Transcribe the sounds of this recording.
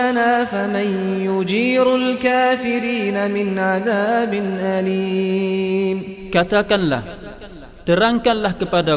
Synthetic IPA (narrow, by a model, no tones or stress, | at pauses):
anaːfaman | jʊd͡ʒiːɾalkaːfɪɾiːnamɪnʕaðaːbɪnʔaliː | mkat̪akanla̰h | t̪əɾaŋkanlahkəpada